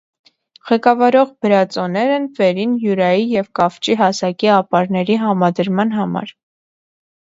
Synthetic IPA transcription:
ʁɛkɑvɑɾɔʁbəɾɑt͡sɔnɛɾɛnvɛɾinjuɾɑjijɛvkɑft͡ʃiɦɑsɑkiɑpɑɾnɛɾiɦɑmɑd̪əɾmɑn̪ɦɑmɑ̰ɾ

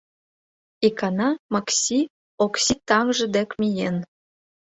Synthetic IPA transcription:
ikɑnɑmɑksʲi | oksʲit̪ɑŋʒə̆d̪ekmʲijen

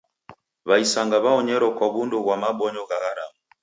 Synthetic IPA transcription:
βaisaŋɡaβaɔɲɛɾɔkwaβunduβwamaɓɔɲɔɣaɣaɾa̰mu

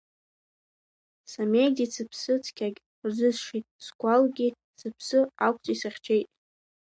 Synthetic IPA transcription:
samejɡdit͡sʰɨpʰsɨt͡sʰkʲʰaɡʲ | rzɨzʂitʼskʷʰʼalɡʲi | sɨpʰsɨakʷʰʼt͡sʼisaχʲt͡ʃʰejtʼ

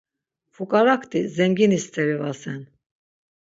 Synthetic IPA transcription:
fukʼaɾakʰt̪izɛŋɡinist̪ʰɛɾivasɛn

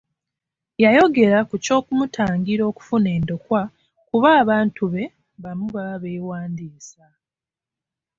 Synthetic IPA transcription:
jajo̞ɡe̞ɾakuco̞ːkumutʰaːŋɡiɾo̞ːku̥fune̞ːndo̞kwa | kuβaːβaːntuβe̞ | βamuβaβeːwaːndiːsa

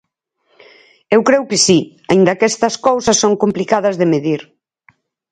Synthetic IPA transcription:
ewkɾewkɪsi | aind̪ɐkɛst̪ɐskowsɐsːoŋkomplikaðɐzðemeðiɾ

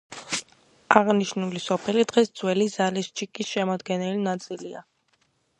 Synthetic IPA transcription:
aʁniʃnulisɔpʰɛlid̪ʁɛsd̪z̥wɛlizalist͡ʃʰikʼisʃɛmɔd̪ɡɛnɛlinat̪sʼilia̰

